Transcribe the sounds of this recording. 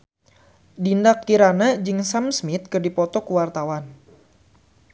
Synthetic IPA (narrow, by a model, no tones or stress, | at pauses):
dindakːiɾanad͡ʒɨŋsamsmit̪̚kɨrdipɔt̪ɔkuwart̪awan